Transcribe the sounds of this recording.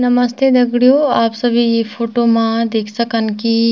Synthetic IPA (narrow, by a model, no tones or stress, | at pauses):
nɐməst̪ʰed̪ɐɡɽijoaːpsɐbʱijepʰoːʈomãd̪eːkʰsəkənki